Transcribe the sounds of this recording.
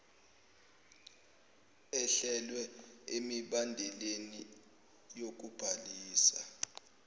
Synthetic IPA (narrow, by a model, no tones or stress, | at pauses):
ɛɬɛlwɛemiɓandʱɛleni | jok̬ub̥ʱaliːsa̰